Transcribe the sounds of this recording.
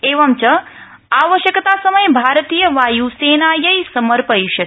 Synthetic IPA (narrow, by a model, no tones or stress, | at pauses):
eʋamt͡ʃə | aʋəʃjəkt̪asəməjbʱaɾt̪ijəʋajusenajəjsəməɾpəiʃə